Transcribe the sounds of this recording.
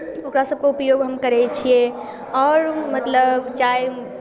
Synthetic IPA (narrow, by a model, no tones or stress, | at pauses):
okɾasəb̚ʱkeupəjoɡɦəmkəɾɛt͡ʃʰije | ɔɾmət̪ləbt͡ʃaj